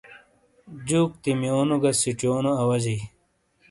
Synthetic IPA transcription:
d͡ʑuːk̚t̪imjoːnoɡɐsit͡ɕoːnoɐwɐzi

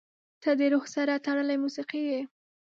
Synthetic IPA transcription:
t̪ad̪əɾoxsaɾɑt̪aɽəlajmusiqije

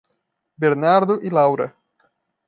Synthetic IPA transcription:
beɾnaɾd̪ʊʔilawɾɐ̰

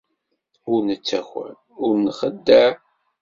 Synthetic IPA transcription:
ʊɾnət͡sːæxʷæ̰ | ʊɾnəχəd̪ːə

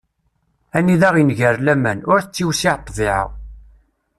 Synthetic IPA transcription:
ænːiðæʁinʝəɾlæmænʊɾθət͡sːiwsiʕt̪ˤːviʕə̰ʁ

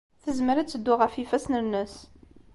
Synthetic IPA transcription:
θəzməɾæt͡sːəd̪ːʊʁəfifæsnənəs

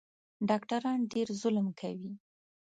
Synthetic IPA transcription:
ɖɑkʈaɾɑnɖeɾzʊlmkʰawi

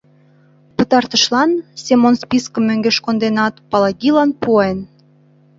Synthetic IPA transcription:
pət̪ɑrt̪əʃlɑnsʲemonspiskəmːøŋɡeʃkond̪enɑt̪pɑlɑɣilɑnpuɑen

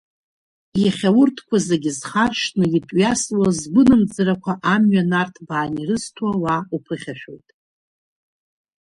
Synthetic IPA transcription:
jaχʲawʊrtʰkʷʰazeɡʲɪzχarʂnɨitʼɥjaslazɡʷʊnɨmd͡zɨrakʷʰaʔamɥanartʰbaːnirɨztʰawaupʰɨχʲaʃᶣojtʼ

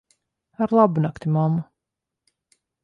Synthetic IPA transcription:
aɾlˠabunakt̪ʲimama

